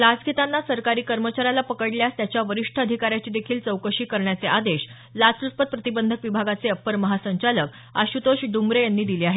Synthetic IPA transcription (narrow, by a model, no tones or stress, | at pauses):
lad͡zɡʱit̪anːasəɾkaɾiːkəɾmət͡ɕaɾjalapəkəɽljast̪jat͡ɕjaʋəɾiʂʈʰəəd̪ʱikaɾjat͡ɕiːd̪ekʰiːlt͡səwkəɕiːkəɾɳjat͡seʔad̪eɕ | lat͡sɾuspət̪̚pɾət̪ibənd̪ʱəkʋibʱaɡat͡seəpːəɾməɦasəɲt͡ɕalək | a̰ɕut̪oɕɖumɾejanːiːd̪iliːaɦe